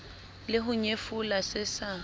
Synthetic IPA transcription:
lɪɦʊɲefʊlasɪsa

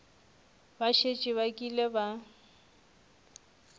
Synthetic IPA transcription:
baʃet͡ʃʼiβakʼileba

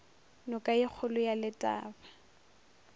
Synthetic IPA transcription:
nɔkʼaik͡xʰʊlʊjalɪtʼa̰ːbḁ

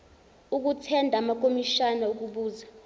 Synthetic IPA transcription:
uk̬utʰɛndʱamak̬ʼomiʃanauk̬uɓuːza

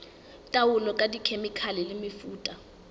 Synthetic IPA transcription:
tʼawulɔkʼadikʰemikʰalɛlɪmɪfuːtʼa

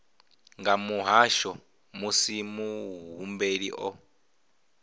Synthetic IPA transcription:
ŋɡamuɦaʃɔ | musimuɦumbeɺḭʔɔ

